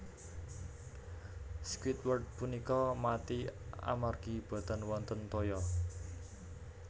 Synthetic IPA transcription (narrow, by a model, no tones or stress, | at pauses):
skwit̪wərd̪̚punikɔmat̪ia̰marɡ̥ib̥a̤t̪a̤nwɔnt̪ənt̪ojɔ